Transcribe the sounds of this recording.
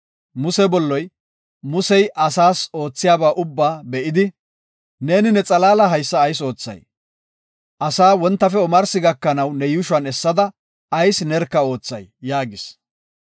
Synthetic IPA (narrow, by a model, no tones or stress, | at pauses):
mʊsɛbɔlːɔj | mʊsɛjʔɐsaːso̞ːt͡sːɪjaːbaːʔʊbːaːbɛʔɪd̪ɪ | ne̞ːnɪnɛt͡sʼɐlaːlɐɦɐjsːɐːjso̞ːt͡sːɐ̰j | ʔɐsaːwɔnt̪ːɐfɛɔmɐɾsɪɡɐkːɐnɐwnɛjʊʃwɐnɛsːɐd̪ɐ | ɐjsnɛɾkːɐo̞ːt͡sːɐjjaːɡɪs